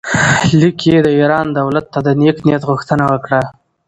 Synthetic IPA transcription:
likʰed̪əiɾɑnd̪awlat̪ːad̪əneknijat̪ɣuxt̪ənawəkɽa

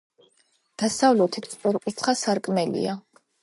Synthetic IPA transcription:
d̪̥asavlut̪ʰit̪ʰsʼpʼɛɾkʼut̪sʰχasaɾkʼmɛlḭa

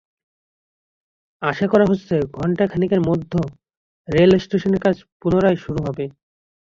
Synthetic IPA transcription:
aʃakɔɾaɦot͡ɕːsʰeɡʱɔɳʈakʰanikeɾmod̪ʱːo | ɾelsʈeʃoneɾkad͡ʑʰpunoɾajʃuɾuɦɔbe

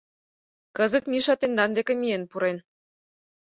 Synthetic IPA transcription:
kə̆zə̆t̪miʃɑt̪end̪ɑnd̪ekʲĕmʲijenpuɾen

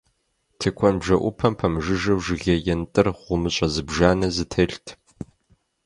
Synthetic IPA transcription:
tʰɨkʷʰɔnbʒɐʔʷʊpʰɐmpʰɐmɨʒɨʒɐwʒɪɣʲɐjɛntʼɨrʁʷʊmɨɕʼɐzɨbʒaːnɐzɨtʰɐɬtʰ

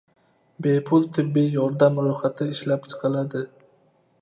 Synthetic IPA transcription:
be̞pʰʊlˠt̪ʰɪbːijjɒɾd̪amɾojχat̪ʰɪɪʃlapt͡ʃʰɨ̥qʰɑlad̪ɪ

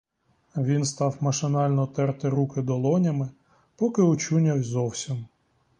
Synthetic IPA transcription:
ʋʲinst̪ɑwmɐʃɪnɑlʲnɔt̪ɛrt̪ɪɾukɪd̪ɔlˠɔnʲɐmɪ | pɔkɪɔt͡ʃunʲɐwzɔwsʲim

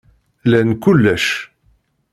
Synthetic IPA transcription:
lænkʊlːæʃ

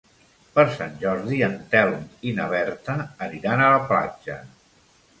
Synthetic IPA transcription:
pəɾsa̰nʲʒɔɾðiənt̪ɛlˠninəβ̞ɛɾt̪əːniɾanələpla̰d͡ʒə̰

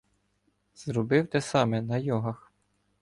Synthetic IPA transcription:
z̥ɾɔbɪwt̪ɛsɑmɛnɐjɔɦɐx

